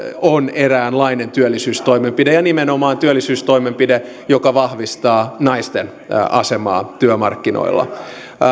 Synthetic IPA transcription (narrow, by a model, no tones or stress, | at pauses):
oneræːnlɑine̞nt̪yølːisyːst̪ojmempidejɑnimenomɑːnt̪yølːisyːst̪oimempide | jokɑʋɑhʋist̪ɑːnɑist̪en | ʔɑsemɑ̰ːt̪yømɑrkːino̰ḭlːɑ̰